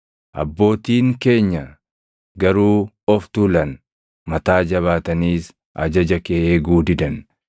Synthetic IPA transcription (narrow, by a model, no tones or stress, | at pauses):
ʔɐ̰bːo̞ːt̪iːŋke̞ːɲːɐ | ɡɐɾuː | ɔft̪uːlɐn | mɐt̪aːd͡ʒɐβaːt̪ɐniːs | ʔɐ̰d͡ʒɐd͡ʒɐkeːʔeːɡuːd̪ɪd̪ɐn